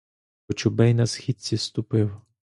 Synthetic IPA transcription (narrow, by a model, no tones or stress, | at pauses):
ɔt͡ʃʊbɛjnɐsxʲid̪̚ʲt͡sʲist̪ʊpɪw